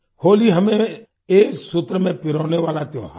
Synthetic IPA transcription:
hoːliɦəmẽ | eːksʊt̪ɾəmẽːpɪɾoːneʋaːlat̪joːɦa

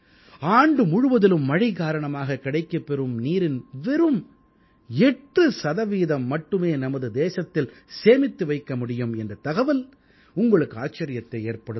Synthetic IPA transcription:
aːɳɖɯmʊɻʊʋɐðɪlɯmːɐɻikaːɾɐɳɐmaːɣɐkɪɽɐɪkːɐpːɛɾɯmniːɾɪnʋɛɾɯm | ɛʈrɯsɐðɐʋiːðɐmːɐʈːɯmeːnɐmɐðɯd̪eːsɐt̪ːɪlseːmɪt̪ːɯʋɐɪkːɐmʊɽɪjɯmɛndrɐt̪ɐɣɐʋɐl | ʊŋɡɐɭɯkːɯaːt͡ʃːɐɾɪjɐt̪ːɐɪeːɾpɐɽɯ

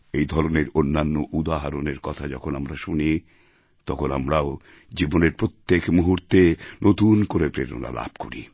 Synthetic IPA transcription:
ejd̪ʱɔɾoneɾonːanːoʔud̪aɦaɾoneɾkɔt̪ʰad͡ʑɔkʰonamɾaʃuni | t̪ɔkʰonamɾao | d͡ʑiboneɾpɾot̪ːekmuɦuɾt̪enʔot̪unkoɾepɾeɾo̰na̰la̰bʱko̰ɾḭ

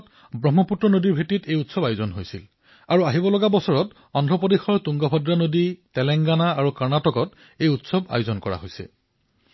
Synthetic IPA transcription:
t | bɹɔmɔputɹɔnodiɹbʱetitejutsɔbajuzɔnɦojsil | aɹuaɦibɔlɔɡabɔsɔɹɔt | ɔndʱɔpodexɔɹtuŋɡɔbʱɔdɹanoditɛlɛŋɡanaaɹukaɹnatɔkɔt | ejutsɔba̰juzɔnkɔɹa̰ɦojsɛ̰

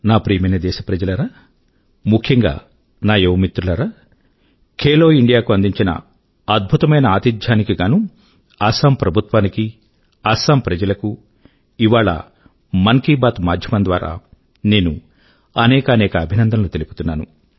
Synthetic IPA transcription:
naːpɾiːmɐnɐd̪ɛːʃɐpɾɐd͡ʒɐlɐɾaː | mukʰjɐŋɡa̰ː | naːjeʋmit̪ɾulɐɾaː | kʰeːloːiɳɖijaːkuɐnd̪iɲt͡ʃinɐ̰ | ɐd̪̚bʱut̪ɐmɐjnɐaːt̪id͡ʒ̪ʱjaːnikiɡaːnu | ɐːsaːmpɾɐbʱut̪ʋaːniki | ɐːsaːmpɾɐd͡ʒɐlɐku | iʋaːɭɐ̰ | mɐŋkiːbaːt̪maːd̪ʱjɐmɐnd̪ʋa̰ːɾa̰ː | ne̞ːnu | ɐnɛːkɐnɛːkɐːbʱinɐnd̪ʱɐnlut̪e̞lipu̥t̪unːaːnṵ

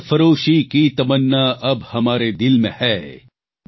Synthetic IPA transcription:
fɐɾoːʃikit̪ɐbənːaʔɐbhɐmaːɾed̪ɪlmḛ̃hɛː

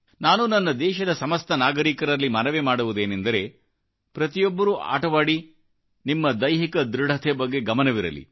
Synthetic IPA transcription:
naːnunɐnːɐd̪ɛːʃɐd̪ɐsɐmɐst̪ʰɐnaːɡɐɾiːkɐɾɐlːimɐnɐʋemaːɽuʋud̪e̞ːnend̪ɐɾe̞ | pɾɐt̪ijɔbːɐɾuʔa̰ːʈɐʋaːɽi | nimːɐd̪ɐjɦikɐd̪ɾuɽʱɐt̪ʰɛbɐɡːe̞ɡɐmɐnɐʋiɾɐ̰lḭ

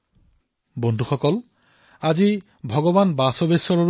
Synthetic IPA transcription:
bɔnd̪ʱuxɔkɔl | azi | bʱɔɡɔbanbasɔbesɔɹɔ

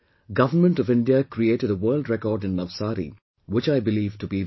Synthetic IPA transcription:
ɡʌvənmə̃nʈɔvɪ̃nɖiəkʰɾieːʈəɾəwəːldɾɛkɔːɖɪ̃nːəʋsaːɾḭ | wɪt͡ʃaɪbɪliːvʈubi

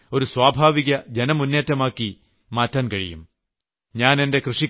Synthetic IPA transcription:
o̞ɾuswaːbʱaːʋiɣɐd͡ʑenɐmunːeːtːɐmaːkːi | maːtːaːnkɐɻḭjṵm | ɲaːne̞nde̞krɨʂi

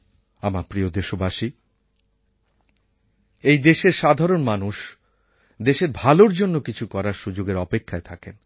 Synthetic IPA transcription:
amapɾiod̪eʃobaʃi | ejd̪eʃeɾʃad̪ʱaɾonmanuʃ | d̪eʃeɾbʱaloɾd͡ʑonːokit͡ɕʰukɔɾaɾʃud͡ʑoɡeɾɔpekʰːaet̪ʰaken

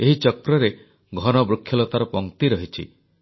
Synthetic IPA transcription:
eɦit͡ʃɔkɾɔɾe | ɡʱɔnɔbɾukʰːjɔlɔt̪aɾɔpɔŋt̪iɾɔɦit͡ʃʰḭ

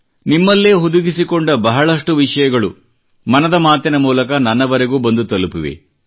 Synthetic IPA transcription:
nimːɐlːeːɦud̪uɡisikoɳɖɐbɐɦɐɭɐʂʈuʋiʂɐjɐɡɐɭṵ | mɐnɐd̪ɐmaːt̪inɐmuːlɐkɐnɐnːɐʋɐɾeɡuːbɐnd̪ut̪ɐlupiʋḛ

